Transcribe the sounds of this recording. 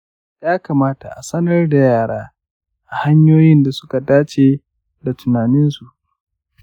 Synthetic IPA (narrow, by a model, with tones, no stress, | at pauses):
jaː˦kaː˨maː˦ta˨ʔa˨sɐ˦nɐ˦rda˨jaː˦˨ɽaː˦ | ʔa˨ha˦ɲjoː˦jɪ˦nda˨sʊ̥˦ka˨daː˦t͡ʃeː˨ | da˨tʊ˨naː˨nɪ˦nsu˨ʔ